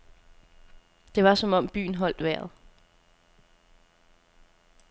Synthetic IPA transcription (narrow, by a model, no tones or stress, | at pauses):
d̥e̝ʋɑ̈sɒ̽mɒ̽m̰b̥y̰ːn̩ɦɒ̽l̰d̥ʋæɐ̰ðˠ